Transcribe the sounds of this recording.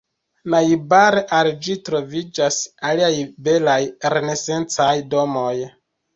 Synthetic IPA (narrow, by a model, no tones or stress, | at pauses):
naibaɾeʔald͡ʒitɾo̞vid͡ʒasaliajbe̞lajɾene̞se̞nt͡sajdo̞mo̞j